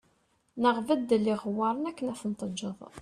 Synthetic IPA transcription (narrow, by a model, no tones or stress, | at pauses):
nəʁvəd̪ːlːiʁwːɑɾˤənækːənæθənt̪ˤəd͡ʒːəðˤ